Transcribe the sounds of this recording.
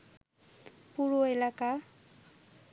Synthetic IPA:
puɾoelaka

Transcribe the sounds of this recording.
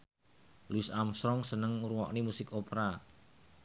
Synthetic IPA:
luɪsamsɾɔŋsənəŋuɾuwɔ̰ʔnimusɪkopɾa

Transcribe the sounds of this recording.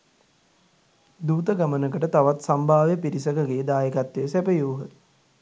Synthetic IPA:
d̪uːt̪əɡamənəkəʈət̪aʋat̪sambʱaːʋjəpiɾisəkəɡeːd̪aːjekat̪ʋeːsɛpəjuːɦət̪

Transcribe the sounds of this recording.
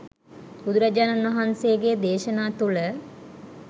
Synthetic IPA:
ud̪uɾɐd͡ʒaːnɐnʋɐɦansejəɡed̪eːʃənaːt̪ulə

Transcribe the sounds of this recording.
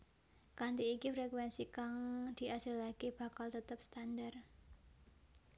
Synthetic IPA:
kant̪iːkifɾɛkwɛnsikaŋd̪̥i̤ʔasɪlakeb̥ä̤kalt̪ət̪əp̚st̪andar

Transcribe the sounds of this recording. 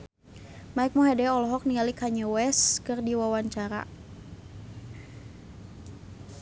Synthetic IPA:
maik̚mɔɦɛdɛɔlɔɦɔk̚niŋalikʰaɲɛwɛskərdiwawaɲt͡ʃaɾa̰

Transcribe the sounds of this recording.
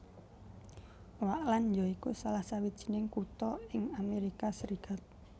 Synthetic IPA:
waʔland͡ʒɔikusalahsawid̥ʒ̥i̥̤nɪŋkut̪ɔɪŋameɾikasəɾikat̪̚

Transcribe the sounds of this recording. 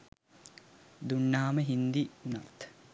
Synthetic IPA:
d̪uɳːaːməɦind̪iuna̰t̪

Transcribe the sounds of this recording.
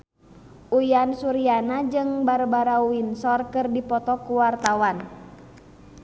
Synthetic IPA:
ʔujansuɾianad͡ʒɨŋbaɾubaɾauinsɔrkɨrdipɔt̪ɔkuwart̪awan

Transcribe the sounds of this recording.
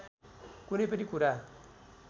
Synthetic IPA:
kunepedikuɾa

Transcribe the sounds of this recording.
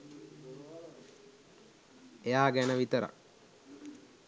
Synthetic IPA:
ejaːɡænəʋit̪əɾa̰

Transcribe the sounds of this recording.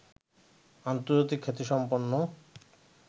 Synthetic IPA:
ant̪oɾd͡ʑat̪ikʰːet̪iʃɔmponːo

